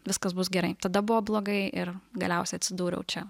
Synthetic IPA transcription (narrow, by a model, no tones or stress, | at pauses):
ʋʲɪskɐsbʊsɡʲɛɾɐɪt̪ɐd̪ɐbʊʋoːblˠoːɡɐɪʔɪrɡɐlʲɛˑʊsʲɛɪɐt̪ʲsʲɪd̪uːɾʲɛ̰ʊt͡ʃʲɛ